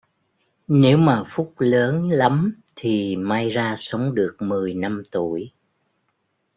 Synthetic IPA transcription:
ne˨˦wmaː˨˩fʊ˦˥k͡p̚ləː˨˦nla˨˦m | t̪ʰi˨˩maː˧jzaː˧sə˨˦wŋ͡mɗɨ˨˩ək̚mɨ˨˩əjna˧mt̪u˧˩əj

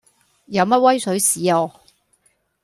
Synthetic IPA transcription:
jɐ˨˧wmɐ˥t̚wɐ˥jsɵ˨˥ɥsiː˨˥ɔː˨˧

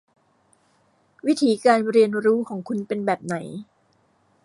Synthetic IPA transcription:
wi˦˥t̪ʰiː˩˦kaː˧nɾi˧ənɾuː˦˥kʰɔː˩˦ŋkʰu˧npe˧nbɛː˨˩p̚na˩˦j

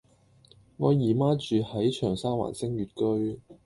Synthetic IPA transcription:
ŋɔː˨˧jiː˨˩maː˥t͡ʃyː˨hɐ˨˥jt͡ʃʰœː˨˩ŋsaː˥wa̰ː˨˩nsɪ˥ŋɥyː˨t̚kɵ˥ɥ

